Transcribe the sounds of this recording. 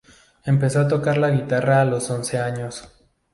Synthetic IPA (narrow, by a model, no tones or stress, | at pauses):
e̞mpe̞so̞at̪o̞kaɾlaɣit̪araːlo̞so̞nse̞aɲo̞s